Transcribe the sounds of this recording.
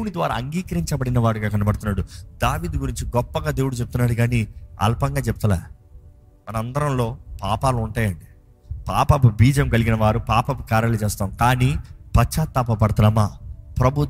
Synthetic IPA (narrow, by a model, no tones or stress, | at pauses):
unid̪ʋa̰ːɾa̰ːɐŋɡiːkɐɾiɲt͡ʃɐbɐɽinɐʋaːɽuɡaːkɐnɐbɐɽt̪unːaːɽud̪aːʋiːd̪ɡuɾiɲt͡ʃiɡɔpːɐɡaːd̪e̞ːwuɽut͡ʃeput̪unːaːɽuɡaːniɐ̰lpɐŋɡaːt͡ʃebu̥t̪ɐla̰ː | mɐnɐmɐnd̪ɐɾɐmlo̞ːpaːpaːluɳʈaːjɐɳɖi | paːpɐpubiːd͡ʒɐmkɐliɡinɐʋaːɾupaːpɐpukaːɾjɐlt͡ʃeːst̪aːmkaːniːpɐt͡ʃaːt̪ːɐpːɐpɐɽɐt̪ɐnaːmaːpɾɐbʱu